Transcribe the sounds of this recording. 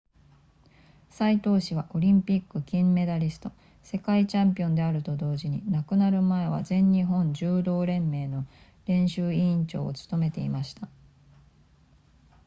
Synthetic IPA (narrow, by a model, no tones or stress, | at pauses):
sait̪o̞ːɕiβaʔo̞ɾʲĩmpʲikːɯ̟kʲĩmːe̞d̪aɾʲisɨ̥t̪o̞ | se̞kait͡ɕãmpʲiõ̞nd̪e̞aɾɯ̟t̪o̞d̪o̞ːʑiɲ̟inakɯ̟naɾɯ̟mae̞β̞a̰zẽ̞ɲ̟ːiɦõ̞ɲ̟d͡ʑɨːd̪o̞ːɾẽ̞mːe̞ːno̞ | ɾẽ̞ɰ̃ɕɨːiĩɲt͡ɕo̞̰ːo̰t͡sɨ̥t̪o̞me̞t̪e̞imaɕi̥t̪a